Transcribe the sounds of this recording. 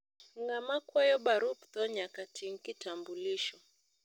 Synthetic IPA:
ŋɡamakwajɔɓaɾupt̪ɔɲakatʰiŋ̩kitambuliʃɔ

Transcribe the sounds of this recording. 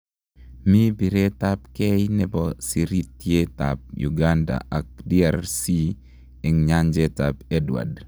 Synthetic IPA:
mibiɾetap̚kɛjnɛbɔsiɾitjeta̰p̚jṵɡanda̰ak̚diaɾsi | ɛŋɲaɲd͡ʒɛtapɛdwa̰d

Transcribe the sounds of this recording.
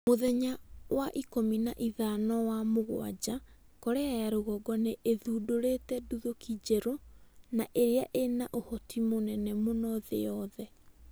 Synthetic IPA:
moðɛɲawaʔikominaʔiðanɔwamoɣw̰a̰d͡ʑa | kɔɾeajaɾoɣɔɡɔneʔeðudoɾetɛduðokid͡ʑɛɾonaʔeɾeaʔenaʔohɔtimonɛnɛmonɔðḛjɔðɛ

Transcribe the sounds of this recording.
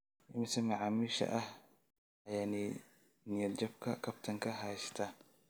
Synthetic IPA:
ʔɪmɪsɐmɐʕaːmiːʃɐ̰ʔɐh | ʔɐjaːnɛ | nɪjɐd̪d͡ʒɔbkʰɐkʰɐbt̪ʰɐŋkʰɐɦɐjst̪ʰɐ

